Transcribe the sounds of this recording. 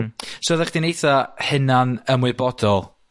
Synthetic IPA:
soːðɛχd̥inejθahɪnanəmwɨbɔdɔlˠ

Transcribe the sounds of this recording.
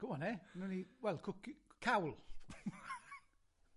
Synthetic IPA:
ɡ̥ʊmɔnenuniwɛlˠkʰʊkkʰawlˠ

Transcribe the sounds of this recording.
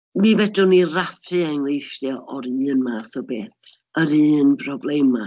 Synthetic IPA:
mivɛdʊnirafʰɨaŋlejfjɔʔɔɾɨːnmaːθɔbeːθ | əɾɨːnbʰrɔblˠejma

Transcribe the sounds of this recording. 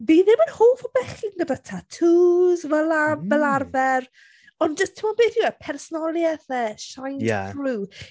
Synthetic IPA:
viːðɪmənhoːfɔbɛχinɡədətʰatʰuːzvəlabɛlarvɛr | ɔnd͡ʒəstʰɪmɔbeːθjuwɛlpʰɛrsɔnɔlˠjɛθɛʃajnja̰θruː

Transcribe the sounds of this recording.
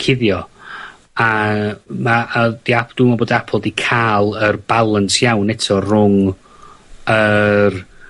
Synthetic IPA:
kʰɪðjɔ | a | maad̥iapd̥uːmaboːdiapʰɔlˠdikʰaːlˠərbalˠənsjawnɛtʰɔrʊŋ | ər

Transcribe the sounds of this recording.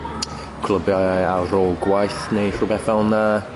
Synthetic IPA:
kʰlˠəbjaaɾoːlˠɡwajθnejɬubɛθalˠna

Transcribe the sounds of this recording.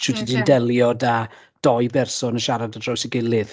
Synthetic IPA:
t͡ʃʰudʰidindɛlˠjɔda | d̥ɔɨbɛrsɔnəʃaɾadadrɔjsəɡɪlˠɨð

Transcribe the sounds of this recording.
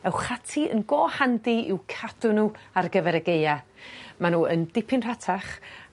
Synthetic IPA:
ɛwχatʰiə̰nɡɔːhandiɪwkʰad̥ʊnuarɡəvɛɾəɡejamanuːəndɪpʰɪnr̥atʰaχ

